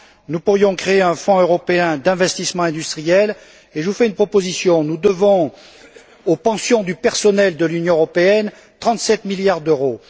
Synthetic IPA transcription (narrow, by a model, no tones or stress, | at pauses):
nupuʁjɔ̃kχeeɛ̃fɔ̃øʁɔpeɛ̃d̪ɛ̃vɛst̪ismɑ̃ɛ̃d̪yst̪χijɛl | eʒəvufɛynpχɔpozisjɔ̃nud̪əvɔ̃ | opɑ̃sjɔ̃d̪ypɛʁsɔnɛld̪əlynjɔ̃øʁɔpeɛn | t̪χɑ̃t̪sɛt̪miljaʁd̪øʁo